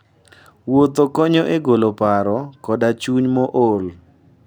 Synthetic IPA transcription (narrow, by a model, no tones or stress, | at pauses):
wot̪okɔɲɔʔeɡolopaɾɔkɔdat͡ʃuɲmɔʔol